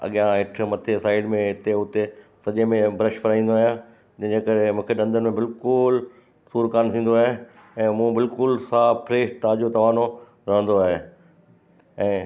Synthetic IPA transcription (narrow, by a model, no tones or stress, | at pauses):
ɐ̰ɠijãɦɪʈ̆ʰmɐt̪ʰesaːɪɖmẽɦɪt̪eʊt̪esɐʄemẽbɾəʃfɐɾaːĩːn̆d̪oaːɦijã | d͡ʑɐ̃d͡ʑekɐɾemũːkʰeɗɐ̃nd̪ʱənmẽbɪlkʊl | suːɾkaːnt̪ʰĩːn̆d̪oaːɦe | ɛ̃ːmũːbɪlkʊlsaːpɾeːʃʈt̪aːd͡ʑot̪ɐʋaːno | ɾɐɦə̃nd̪oaːɦe | ɛ̃ː